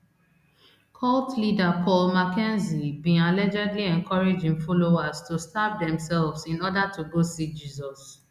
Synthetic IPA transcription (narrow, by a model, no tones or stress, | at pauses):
kʰɔltlidakʰɔlmakɛ̃nzibĩalɛd͡ʒɛdliɛ̃nkʰɔɹed͡ʒĩŋfɔloaztustap̚dɛ̃msɛlvzĩnɔdatʰuɡosik̚d͡ʒiːzɔs